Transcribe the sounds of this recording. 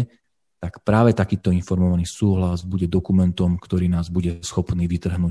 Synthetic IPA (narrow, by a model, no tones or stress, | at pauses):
t̪akpɾaːʋɛt̪akiːt̪ɔinfɔɾmɔʋaniːsuːɦlazbuɟɛd̪ɔkumɛnt̪ɔmkt̪ɔɾiːnaːzbuɟɛsxɔpniːʋit̪r̩ɦnuː